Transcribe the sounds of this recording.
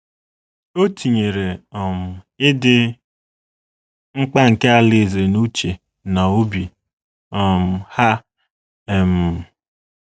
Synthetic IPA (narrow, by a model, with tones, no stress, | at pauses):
o˦ti˨ɲe˨ɾe˨ɔ˨m̩˨ | ɪ˦dɪ˦ | ŋ͡m̩˦k͡pa˦ŋ̩˨ke˦a˨lɪ˦˨ze˨nu˦t͡ʃe˨ | na˨o˦bi˨ | ɔ˨m̩˨ha˦˨ | m̩˨